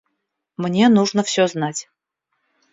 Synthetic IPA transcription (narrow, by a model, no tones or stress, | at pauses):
mnʲe̞nuʐnəfsʲɵznatʲ